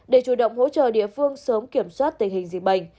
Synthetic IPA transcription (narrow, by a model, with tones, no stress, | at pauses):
ɗe˧˩t͡ɕu˧˩ɗə̰˧˨wŋ͡mho̰˧˥t͡ɕə̰ː˧˨ɗḭ˧˨əfɨ˧əŋsəː˨˦mki˧˩əmswaː˦˥t̚t̪ï˨˩ŋ̟hï˨˩ŋ̟zḭ˨˩k̚ɓa̰˧˩˨jŋ̟